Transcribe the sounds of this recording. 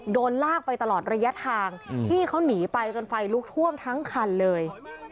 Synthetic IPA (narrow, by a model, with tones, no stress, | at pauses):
doː˧nlaː˥˩k̚pa˧jt̪a˧lɔː˨˩t̪̚ɾa˧ja˦˥t̪ʰaː˧ŋt̪ʰiː˥˩kʰa˦˥wniː˩˦pa˧jt͡ɕo˧nfa˧jluː˦˥k̚t̪ʰu˥˩əmt̪ʰa˦˥ŋkʰa˧nlɤː˧j